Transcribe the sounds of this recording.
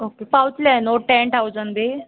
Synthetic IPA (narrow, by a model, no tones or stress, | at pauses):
okepawut͡slanoʈɛ̃ɳʈawd͡zənbe